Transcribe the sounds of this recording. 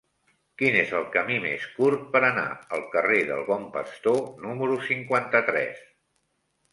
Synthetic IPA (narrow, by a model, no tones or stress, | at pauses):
kinezəlˠkəmimḛskuɾt̪̚pəɾəna̰əlˠkəreðəlˠβɔmpə̰st̪onuməɾusiŋkwant̪ət̪ɾɛ̰s